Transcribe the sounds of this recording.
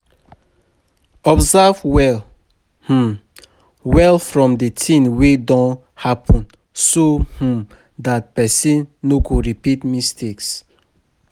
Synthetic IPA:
ɔbzɛvwɛl | h̩ | wɛlfɹɔ̃mdətʰĩnwedɔ̃n | hapʰɔ̃n | soh̩ | dat̚pɛsĩnːokuɹipitmistʰeks

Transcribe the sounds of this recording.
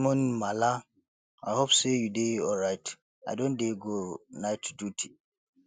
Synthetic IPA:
mɔ̃nmala | aɪhopsejudeɔlɹaɪt | a̰dõndeɡonaɪtdutʰi

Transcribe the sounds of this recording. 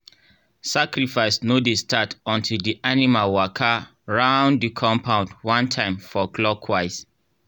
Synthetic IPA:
sakɹifaɪsnodestʰatɔ̃ntʰildiʔanimalwakʰa | ɹãʊ̃nddikʰɔ̃mpʰãʊ̃ndwãntʰãɪ̃mfɔɡlɔkʰwaɪs

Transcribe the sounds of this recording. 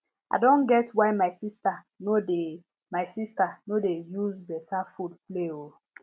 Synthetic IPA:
a̰dõnɡɛtwaɪmaɪsista | node | maɪsistanodejuzbɛtʰafud̚pleo

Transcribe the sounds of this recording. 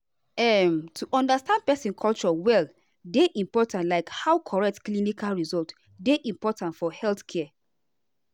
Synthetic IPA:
ɛmtʰuʔɔ̃ndastãnd̚pɛsĩnkʰɔlt͡ʃɔwɛl | deʔĩmpɔtʰãntlaɪkhawkʰɔɹɛk̚tklinikʰalɹizɔlt | deʔĩmpɔtãntfɔhɛlθkʰɛ

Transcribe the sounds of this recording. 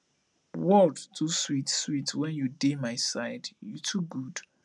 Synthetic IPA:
wɔtduswitswitʰwɛ̃njudemajsajdjutʰuɡud̥

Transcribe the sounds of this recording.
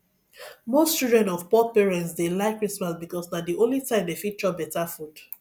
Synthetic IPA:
most͡ʃuldɹɛ̃nɔvpɔpiɹɛ̃ntsdelaɪkːɹismasbikɔsnadiõnlitãɪ̃mdefit͡ʃɔbɛtafud̥

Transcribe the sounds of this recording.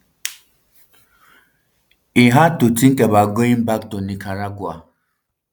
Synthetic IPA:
iɦatutiŋ̩kebaɡoim̩bak̚tonikʰaɾaɡʊa

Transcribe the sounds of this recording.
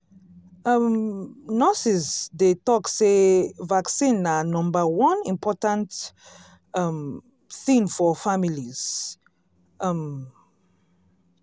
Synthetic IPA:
ʌmnɔsizdetɔksevaksĩnanɔ̃mbawɔ̃nĩmpʰɔtãnt | ʌm | θĩnfɔfamiliz̥ | m

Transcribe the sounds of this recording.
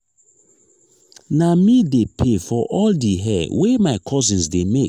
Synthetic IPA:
namidepʰefɔʔɔldiɦɛwemaɪkʰɔzĩnsdemek

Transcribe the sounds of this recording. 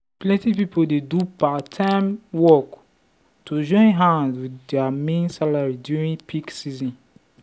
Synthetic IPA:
plɛ̃ntipipodedupatʰãmwɔk | tud͡ʒɔ̃ɪ̃nɦãnzwidɛamẽnsalaɹidjuɹĩnpʰiksizɔ̃n

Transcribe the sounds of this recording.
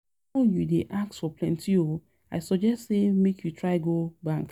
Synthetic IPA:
ɔjudeʔak̚tfɔplɛ̃ntʰio | aɪsɔɡd͡ʒɛstsemekʰjutɹaɪɡobãŋk

